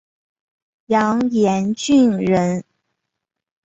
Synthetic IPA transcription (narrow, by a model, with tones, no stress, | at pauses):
jɑ˧˥ŋjɛ˧˥nt͡ɕy˥˩ŋɻə˧˥n